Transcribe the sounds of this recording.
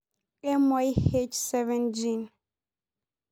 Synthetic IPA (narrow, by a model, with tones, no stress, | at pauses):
ɛ˦mɔ˦jhe˦t͡ʃsɛ˦vɛ̃nd͡ʒin